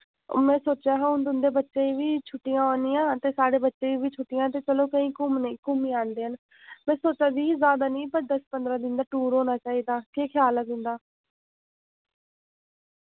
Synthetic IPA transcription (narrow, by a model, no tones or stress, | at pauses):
mɛ̃ːsoːt͡ʃaːɦə̃ʊ̃nd̪ʊnd̪eːbətːʃeːiːʋiːt͡ʃʰʊʈːijãːoːnijãːt̪eːsaːɽeːbətːʃeːiːbiːt͡ʃʰʊʈːɪjãːt̪eːt͡ʃəloːkəĩːkʊmnekʊmiːaːnd̪eːɦən | mɛ̃ːsoːt͡ʃaːd̪iːzaːd̪aːnĩːpəɾd̪əspənd̪ɾaːd̪ɪnd̪aːʈuːɾɦoːnaːt͡ʃaːiːd̪aːkeːkʰɪjaːlad̪ɪ̃nd̪aː